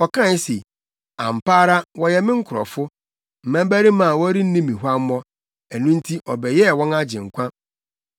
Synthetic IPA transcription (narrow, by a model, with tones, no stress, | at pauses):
ɔ˨kʰã˦˨n˦se˨ | ã̰˨m̩˨paː˦ɾa˦wɔ˦jɛ˦mɪ̃˦ŋ̩˦kʰʊ˨ɾɔ̰˨fʊ˦ | m̩˨mæ̃˦m˦bæ˦ɾi˦mã˨wɔ˦ɾi˦n̩˦nĩ˦mĩ˨ɦʷa˦m̩˦mɔ̃˦ | æ˨nũ˦n̩˦tʰi˦ʔɔ˨bɛ˨jɛ˦˨wɔ̃˦na˦d͡ʑɪ̃˨ŋ̩˨kʷʰã˦